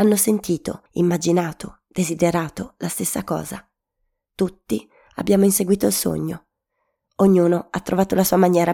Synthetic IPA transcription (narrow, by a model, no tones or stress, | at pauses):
anːosent̪iːt̪o̰ | ḭmːad͡ʒinaːt̪o | d̪̥ezid̪eɾaːt̪olast̪esːakɔ̰ːza̰ | t̪ut̪ːi | a̰bːjaːmoinseɡwiːt̪oilso̰ɲːo | oɲːuːnoat̪ːɾʔovaːt̪olasuːamaɲjɛːɾa